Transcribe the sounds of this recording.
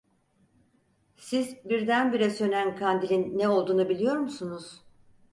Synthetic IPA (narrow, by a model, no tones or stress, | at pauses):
sizbiɾd̪ænbiɾɛsø̞nænkʰand̪ilʲinːɛo̞lˠd̪uːnubilʲijo̞ɾmusunuz̥